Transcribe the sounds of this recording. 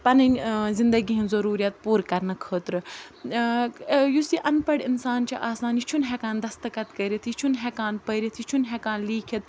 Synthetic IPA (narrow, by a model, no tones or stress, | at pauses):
pɐnɐnzɪnd̪ɐɡiɦĩnzɐɾuːɾijɐt̪̚puːɾkɐɾnɐkʰəːt̪ɾɨ | jusiʔɐnpɐɽɪnsaːnt͡ʃiʔaːsaːnit͡ʃʰunɦɛːkaːnd̪ɐst̪ɨkɐt̪kəːɾit̪ʰit͡ʃʰunɦɛːkaːnpəːɾit̪ʰit͡ʃʰunɦɛːkaːnliːkʰɐt̪